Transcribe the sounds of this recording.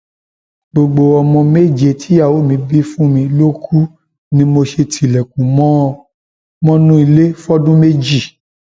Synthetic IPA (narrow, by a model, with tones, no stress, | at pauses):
ɡ͡bo˧ɡ͡bo˧ɔ˧mɔ̃˧me˦˨d͡ʒe˧˨tʰi˨˦a˦˨wo˨˦˨mĩ˧bi˦fũ˦mĩ˧lo˦kʰu˦ | nĩ˦mo˧ʃe˧tʰi˨lɛ˨kũ˨˦mɔ̃˦˧ | mɔ̃˦nũ˦i˧le˦fɔ˦dũ˦me˦d͡ʒi˦˨